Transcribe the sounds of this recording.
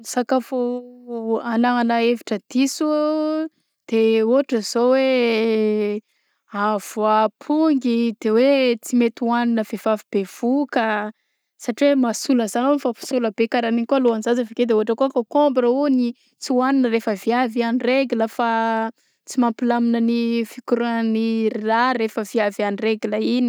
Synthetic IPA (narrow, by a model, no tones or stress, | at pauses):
sakafo | anaŋanaeviʈ͡ʂəd̪̥isu | d̪̥eoaʈ͡ʂəzowe | av̥uapʰuŋɡid̪̥ewet͡simet̪uaninəvevavib̥ev̥uka | saʈ͡ʂiwemasuləzanonifafi̥suləbekaɾaninikualoanizazavaked̪euɦaʈ͡ʂəkuakakombɾəuni | t͡siwaninəɾefəviavianireɡiləfa | t͡simampilaminənifikuɾanirelaɾefəviavianireɡiləini̥